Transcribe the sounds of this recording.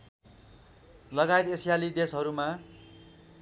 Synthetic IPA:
lʌɡajt̪esjalid̪esɦʌɾuma

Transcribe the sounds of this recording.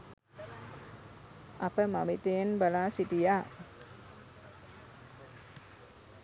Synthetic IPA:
ʔapəmamit̪inbalasit̪ia

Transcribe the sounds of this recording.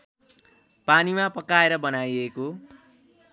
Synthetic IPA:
panimapʌkaeɾʌbʌnajeko

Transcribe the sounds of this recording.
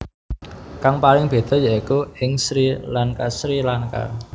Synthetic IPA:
kaŋpalɪŋb̥e̤d̪̥ɔ̤jaikuɪŋsɾilaŋkasɾilaŋka̰

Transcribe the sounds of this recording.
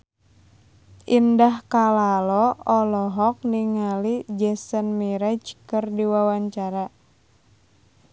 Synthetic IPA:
ʔindahkalalɔɔlɔɦɔk̚niŋalid͡ʒɛsənmiɾat͡ʃi̥kərdiwawaɲt͡ʃaɾa

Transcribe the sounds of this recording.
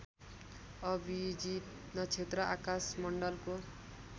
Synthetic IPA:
ʌbʱid͡ʒi | nʌt͡ʃʰet̪ɾʌʔakasmʌɳɖʌlko

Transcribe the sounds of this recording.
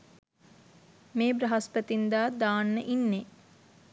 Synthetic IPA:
meːbɾɐɦɐspət̪ind̪aːd̪aːnːəʔinːe

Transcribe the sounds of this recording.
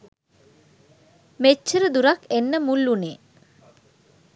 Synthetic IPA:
met͡ʃːəɾəd̪uɾakenːəmulːuneː

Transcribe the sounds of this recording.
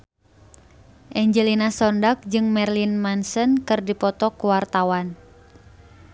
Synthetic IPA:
ʔɛɲd͡ʒəlinasɔndak̚d͡ʒɨŋmɛrlinmansənkɨrdipɔt̪ɔkuwart̪awan

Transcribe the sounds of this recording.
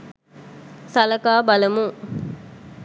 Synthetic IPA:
sɐlɐkaːbɐlɐmuŋ

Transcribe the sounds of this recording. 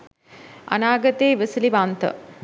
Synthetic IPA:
ɐ̰naːɡɐt̪eːʋəsiliʋant̪ə̰

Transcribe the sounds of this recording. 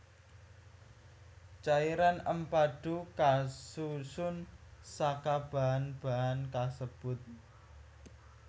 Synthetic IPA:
t͡ʃaiɾanəmpaɖ̥ukasusʊnsakab̥a̤ɦanb̥aɦankasəb̥ʊt̪̚

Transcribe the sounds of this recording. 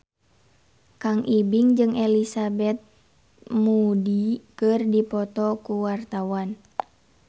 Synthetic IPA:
kaŋʔibiŋd͡ʒɨŋʔelisabɛt̪̚ | mudikɨrdipɔt̪ɔkuwart̪awan

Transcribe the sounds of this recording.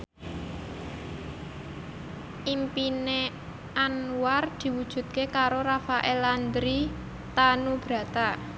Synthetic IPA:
ʔimpine | anward̪̥i̤wud̥ʒ̥ṳt̪̚kekaɾoɾafaʔɛland̪ɾi | t̪anub̥ɾä̤t̪a

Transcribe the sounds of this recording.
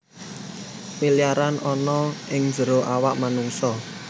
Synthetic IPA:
pilijaɾanʔɔnɔɪŋdd͡ʒəɾoʔawaʔmanuŋsɔ

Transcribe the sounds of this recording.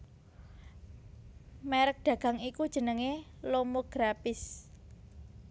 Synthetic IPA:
mɛɾək̚ɖ̥ä̤ɡ̥ä̤ŋikud̥ʒ̥ə̤nəŋelomoɡ̥ɾapɪs

